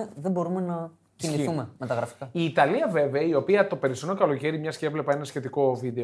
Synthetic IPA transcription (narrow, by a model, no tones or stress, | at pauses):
ðebo̞ɾumenɐ | ciniθumemet̪ɐɣɾɐfi̥kɐiːt̪ɐliɐve̞veɐio̞piɐt̪o̞pe̞ɾisonokɐlo̞ce̞ɾimɲɐscevle̞pɐe̞nɐsçe̞t̪iko̞vid̪e̞o